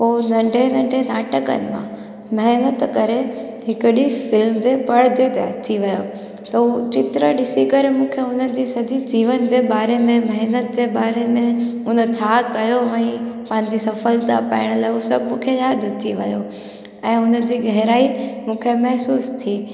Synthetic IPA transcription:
poːnɐ̃ɳɖʱenɐ̃ɳɖʱenaːʈəkə̰nɪ̆mã̰ | mɐɦnət̪kɐɾe | ɦɪkʊɗifɪlmd͡ʑepɐɽd̪ed̪eɐ̰t͡ɕiʋɐjo | t̪ɐut͡ɕɪt̪ɾəɗɪsikɐɾemũːkʰeɦʊnəd͡ʑiːsɐd͡ʑʱid͡ʑiːʋənd͡ʑeːɓaːɾemẽmɐɦnət̪̚d͡ʑeːɓaːɾemẽ | ʊnət͡ɕʰaːkɐjoɛ̃ːpɐ̃ɦɪ̃ɲd͡ʑisɐfəlt̪a̰pa̰ɪɽ̃laːɪɦusɐbʱmũːkʰejaːd̪ʱətʰiʋɐ̰jo | ɛ̃ːɦʊnə̆d͡ʑiːɡɐɦɾaːimũːkʰemɐɦsuːst̪ʰiː

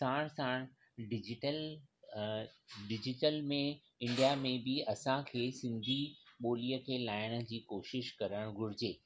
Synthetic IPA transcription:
saːɽ̃saːɽ̃ | ɖɪd͡ʑɪʈəl | ɖɪd͡ʑɪʈəlmẽ | ɪ̃ɳɖijamẽbɪɐsãkʰeːsɪ̃nd̪ʱiɓoːlijəkʰeːlaːɪɽ̃ə̆d͡ʑiːkoːʃɪʃkɐɾəɽ̃ɡʱʊɾɪd͡ʑeː

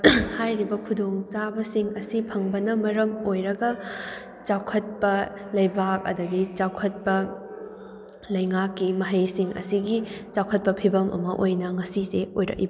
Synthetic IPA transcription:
hajɾibɐkʰudoŋt͡ʃabɐsiŋɐsipʰɐŋbɐnɐmɐɾɐmojɾɐɡɐ | t͡ʃawkʰɐt̚pɐlɐjbak̚ɐ̰dɐɡit͡ʃawkʰɐt̚pɐ | lɐjŋakːimɐɦɐjsiŋʔɐ̰siɡit͡ʃawkʰɐt̚pɐpʰibɐmʔɐ̰mɐʔojnɐŋɐsiseojɾɐ̰kḭb

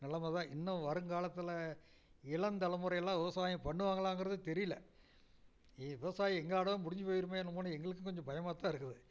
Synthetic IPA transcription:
nɪlɐmɐðãːʔɪnːɐʋɐɾɯŋkaːlɐt̪ːɯlɐ | ɪɭɐnd̪ɐlɐmɯɾɐɪjɐlːãːʋɪʋɐsaːjɐ̃pɐɳːɯʋaːŋɡɐɭãːŋɡɪɾɐðɯt̪ɛɾɪjɪlɐ̰ | iʋɪʋɐsaːjĩɛŋɡɐɭaːɽɐðɐ̃ːmʊɽɪɲd͡ʒɯpoːjɪɾɯmːeːnːɯmoːnɯɛŋɡɐɭɯkːɯkɔɲd͡ʒɐ̃bɐjɐmaːt̪ːãːɪɾɯkːɯðɯ

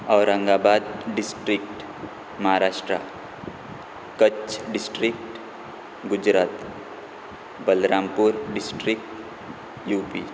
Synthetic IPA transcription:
ɔːɾə̃ŋɡaːbaːd̪̚ɖɪsʈɾɪk̚ʈ | məɦaɾaːʃʈɾa̰ | kət͡ʃɖɪsʈɾɪk̚ʈ | ɡʊd͡ʒɾaːt̪ | bəlɾaːmpuɾɖɪsʈɾɪk̚ʈ | juːpiː

